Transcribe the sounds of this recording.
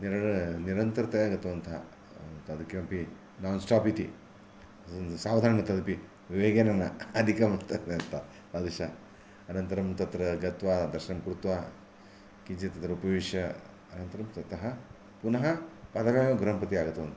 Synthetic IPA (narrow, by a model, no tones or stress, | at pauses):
niɾɐniɾɐnt̪ɐɾɐt̪ɐjaːɡɐt̪ːɐʋɐnt̪ʰɐ̰ | t̪ɐd̪ʱukjɐmpi | naːnsʈaːpit̪i | saːʋd̪ʱaːɾɐnɐt̪ɐd̪ɐpi | ʋiʋeːɡenɐnɐːd̪ʱikɐmɐnt̪ɐnd̪eɐnt̪ʰɐ | ɐd̪iʃɐ | ɐnɐnt̪ɐɾɐmt̪ɐt̪ɾɐɡɐt̪ʋaːd̪ɐɾʃɐnɐmkɾut̪ʋaː | kid͡ʒet̪ɐt̪ɾɐupɐʋiʃjɐ | ɐnɐnt̪ɐɾɐmt̪ɐt̪ɐɦɐ | punɐɦɐpaːd̪ɐʋjaːmɐɡɾɐmpɐt̪iaːɡɐt̪ːɐʋɐnt̪ʰɐ